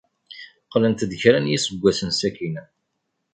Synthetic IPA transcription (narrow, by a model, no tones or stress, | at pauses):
qlənt̪d̪çɾænjisəɡʷːæsənsækinæ